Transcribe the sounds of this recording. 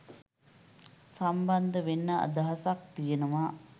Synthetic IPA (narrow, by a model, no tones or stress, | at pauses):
samband̪əʋenːəa̰d̪aɦasak̚t̪ijenəʋaː